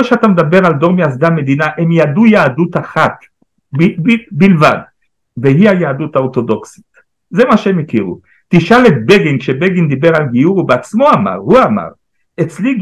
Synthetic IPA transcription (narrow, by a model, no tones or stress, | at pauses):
ʃeatamed̪abe̞ʁald̪o̞ʁmeas̬d̪ame̞d̪inaʔemjad̪ujaːdut̪aχat̪ | bibilva̰d̪ | veɦiajaːd̪ut̪haot̪o̞d̪o̞ksi̥t̪ | zemaʃeemekiʁṵ | t̪iʃalet̪̚beɡinkʃebeɡind̪ibeʁalɡijuʁubeat͡smo̞ama̰ʁhuama̰ʁ | et͡sli